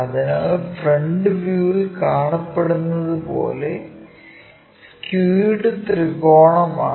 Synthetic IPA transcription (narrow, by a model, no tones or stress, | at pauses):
ɐðinɐfreɳɖɨʋjuːilkaːɳɐpːe̞ɽunːɐðɨpo̞̰ːle̞ | s | kjuːɽɨt̪riɣo̞ːɳɐma̰ː